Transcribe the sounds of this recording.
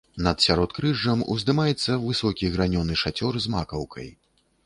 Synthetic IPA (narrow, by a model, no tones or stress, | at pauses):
nɐt̪sʲaɾɔt̪kɾɨʐːɐmṵzd̪ɨmajɛt̪sːɐvɨsɔkʲiɣɾanʲɔnɨʂat͡sʲɔrzma̰kɐwkʰɐ̰j